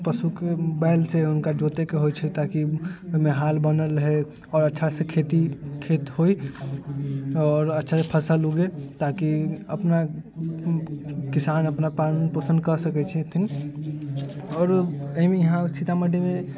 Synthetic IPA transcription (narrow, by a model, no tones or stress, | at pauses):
pəsukebɛlseʊnkad͡ʒot̪ekeɦojt͡ʃʰɛt̪akiomẽɦalbənəlɦe | ɔːɾətːʃʰasekʰet̪ikʰet̪ɦoi | ɔːɾətːʃʰasepʰəsaluɡet̪akiəpna | kisanəpnapanpəsə̃nd̪kəsəkɛt͡ʃʰɛt̪ʰin | ɔːɾəimejəɦãsit̪aməɖeme